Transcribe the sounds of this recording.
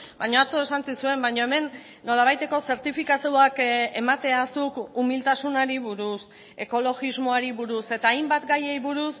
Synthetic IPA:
bajɲo̞at͡so̞e̞sansisue̞mbajɲo̞e̞me̞nː | o̞laβ̞ajt̪e̞ko̞se̞ɾt̪ifikasiuake̞mat̪e̞asukumilt̪asunaɾiβuɾus | e̞ko̞lo̞ɣizmo̞aɾiβuɾuse̞t̪aːjmbat̪ɡaje̞jβuɾus

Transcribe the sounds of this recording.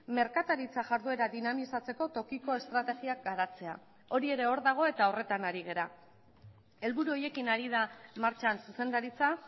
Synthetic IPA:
me̞ɾkat̪aɾit͡saʝaɾðue̞ɾaðinamisat͡se̞ko̞t̪o̞kiko̞e̞st̪ɾat̪e̞ɣiak̚ɡaɾat͡se̞a | o̞ɾie̞ɾe̞o̞ɾðaɣ̞o̞e̞t̪ao̞re̞t̪anaɾiɣ̞e̞ɾa | e̞lβuɾuo̞je̞kinaɾiðamaɾt͡ʃansuse̞nd̪aɾit͡sa

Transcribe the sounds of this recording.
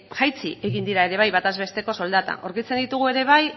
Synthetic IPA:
ʝajt͡sḭe̞ɣind̪iɾae̞ɾe̞β̞ajβat̪azβe̞st̪e̞ko̞so̞ld̪at̪a̰ʔo̞ɾkit͡se̞nd̪it̪uɣ̞ue̞ɾe̞β̞aj

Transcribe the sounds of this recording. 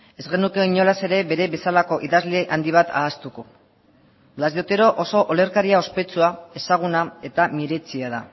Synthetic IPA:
e̞zɣe̞nuke̞iɲo̞lase̞ɾe̞βe̞ɾe̞βe̞salako̞ʔiðazleʔand̪iβ̞at̪ʰa̰ːst̪uko | blazjo̞t̪e̞ɾo̞ʔoso̞ʔole̞ɾkaɾiao̞spe̞t͡suae̞saɣ̞unae̞t̪amiɾet͡siað̞a

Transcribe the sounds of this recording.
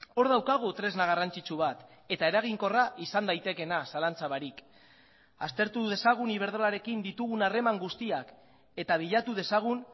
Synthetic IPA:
o̞ɾðawkaɣ̞ut̪ɾe̞znaɣ̞arant͡sit͡ʃuβ̞at̪ | e̞t̪ae̞ɾaɣ̞iŋko̞raʔisand̪ajt̪e̞ke̞nasalant͡saβaɾik | ast̪e̞ɾt̪uð̞e̞saɣ̞uniβ̞e̞ɾð̞o̞laɾe̞kind̪it̪uɣunare̞maŋɡust̪iak | e̞t̪aβ̞iʎat̪uð̞e̞saɣ̞un

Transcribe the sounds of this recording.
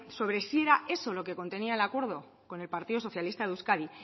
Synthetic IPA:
so̞βɾe̞sie̞ɾae̞so̞lo̞ke̞ko̞nt̪e̞niaelakwe̞ɾðo̞ | ko̞ne̞lpaɾt̪iðos̬o̞θjalist̪aðuskaði

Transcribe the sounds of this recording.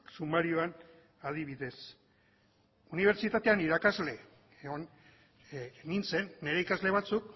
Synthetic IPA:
sumaɾio̞an | að̞iβiðe̞s | uniβ̞eɾt͡sit̪at̪e̞aniɾakazle̞ | eon | nint͡se̞nːe̞ɾe̞ikazle̞β̞at͡suk

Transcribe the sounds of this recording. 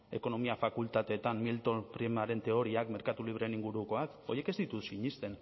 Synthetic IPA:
e̞ko̞no̞miafakult̪at̪e̞t̪ammːilt̪o̞npɾimaɾe̞nt̪e̞o̞ɾiakme̞ɾkat̪uliβ̞ɾeeniŋɡuɾuko̞ak | o̞̰jeke̞zd̪it̪usiɲist̪e̞n

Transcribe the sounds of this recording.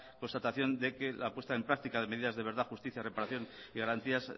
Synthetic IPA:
ko̞nst̪at̪aθjo̞nd̪e̞ke̞lapwe̞st̪aempɾak̚t̪ikaðeme̞ðiðazðe̞βe̞ɾðaxust̪iθjare̞paɾaθjo̞niɣaɾant̪ias

